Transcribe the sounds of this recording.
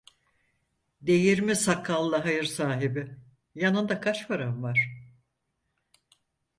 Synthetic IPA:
d̪e̞jiɾmisakʰːalˠːaɦajɯɾsaːɦibɪ | janɯnd̪akʰat͡ʃfaɾamvaɾ̥

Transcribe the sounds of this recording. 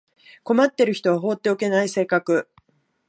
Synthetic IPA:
ko̞mat̪ːe̞ɾɯ̟çi̥t̪o̞βaɦoːt̪ːe̞o̞ke̞naise̞ːkakɯ̟

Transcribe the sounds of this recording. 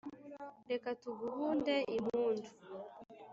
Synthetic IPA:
dekatuɡuhuːndeʔimuːntʰu̥

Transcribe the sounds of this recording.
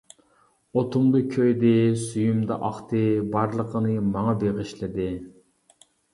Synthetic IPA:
ot̪ʰʊmd̪ɨkʲʰøjd̪ɪsyjymd̪ɑ̰ʔɑχt̪ʰɨbɑɾlˠəqʰənɨmɑŋɑbeʁɪʃlɪd̪ɪ

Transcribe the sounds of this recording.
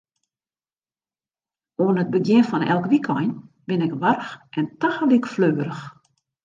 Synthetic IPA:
oənət̚bəɡjɪnfɔnɛ̰lˠkʋikʰɔjn | bɪnɪkʋarxʔɛntaxəlikfløːəɾəx

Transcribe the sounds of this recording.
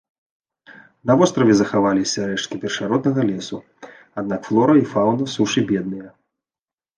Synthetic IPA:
nɐvɔst̪ɾɐvʲɛzɐxavalʲisʲɐɾɛt͡ʂkʲipʲɛrʂaɾɔd̪nɐɣɐlʲɛsu | ad̪̚nakflˠɔɾɐifawnɐsuʂɨbʲɛd̪̚nɨjɐ

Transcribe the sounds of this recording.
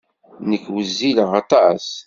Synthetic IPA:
nəkːwəzːiləʁɑt̪ˤɑs

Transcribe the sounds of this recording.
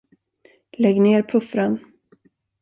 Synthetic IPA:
lɛɡneːɾpʰɵfɾan

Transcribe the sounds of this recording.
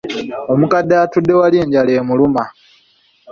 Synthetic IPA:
o̞mukadːaːtudːe̞waleːɲɟale̞ːmuluma

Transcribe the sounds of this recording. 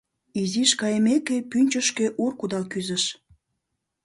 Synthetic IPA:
iziʃkɑjəmekepynʲt͡ɕəʃkeʔurkud̪ɑlkyzəʃ

